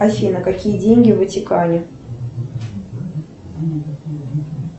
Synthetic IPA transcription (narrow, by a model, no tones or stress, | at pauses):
ɐfʲinəkakʲijədʲenʲɡʲɪvɨtʲɪkanʲɪ